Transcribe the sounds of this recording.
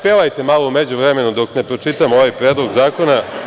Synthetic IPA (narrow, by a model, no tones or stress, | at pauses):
pelajt̪emalˠoumed͡ʑuʋɾeme̞nud̪o̞kne̞pɾo̞t͡ʃit̪amooʋajpɾeːd̪lˠoɡzaːko̞na